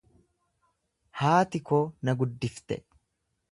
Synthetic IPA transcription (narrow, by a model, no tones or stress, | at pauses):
haːt̪ɪkoːnɐɡʊd̪ːɪft̪ɛ̰